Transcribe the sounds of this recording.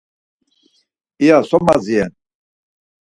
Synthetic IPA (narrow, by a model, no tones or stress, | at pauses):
ijasɔmaziɛn